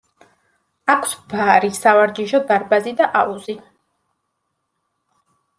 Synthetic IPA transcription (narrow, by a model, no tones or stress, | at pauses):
akʰsbaɾisavaɾɡiʒɔd̪aɾbazid̪aʔauzi